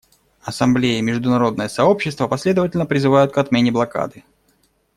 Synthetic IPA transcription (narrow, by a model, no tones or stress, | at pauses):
ɐsɐmblʲejɪmʲɪʐd̪ʊnɐɾo̞d̪̚nəjəsɐo̞pɕːɪst̪vəpɐsʲlʲe̞d̪əvətʲɪlʲnəpɾʲɪzɨvajʊt̪̚kɐt̪mʲenʲɪblˠɐka̰d̪ɨ